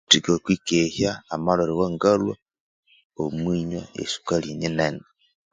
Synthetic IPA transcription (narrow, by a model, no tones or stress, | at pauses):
tikokwikehjaːmaloɾiwoŋɡalwa | omwiːɲwa̰ḛsu̥kaliɲinene